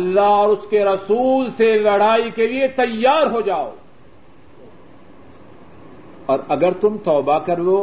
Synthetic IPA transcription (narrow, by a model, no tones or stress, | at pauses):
ɐlːaɦɔːɾʊskeɾɐsuːlselɐɽ̤aːikeliet̪ɐjːaːɾɦod͡ʒaːo̰ː | ɔːɾɐɡəɾt̪ʊmt̪ɔːbakɐɾloː